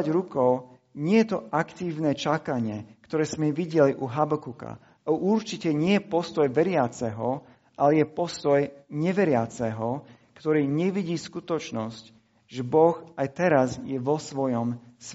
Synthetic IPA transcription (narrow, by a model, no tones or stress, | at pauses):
aɾukɔʊ | ɲɪɛjɛt̪ɔʔakt̪iːʊnɛt͡ʃakaɲɪɛkt̪ɔɾɛːz̥mɛʋiɟɛliʔuɦabɔkuka̰ | aʔuɾt͡ʃicɛɲɪɛjɛpɔst̪ɔjʋɛɾɪat͡sɛɦɔ | ʔalɛjɛpɔst̪ɔjɲɛʋɛɾɪat͡sɛɦɔ | kt̪ɔɾiːɲɛʋiɟiːskut̪ɔt͡ʃnɔsc | ʒɛbɔxajt̪ɛɾazjɛʋɔsʋɔjɔms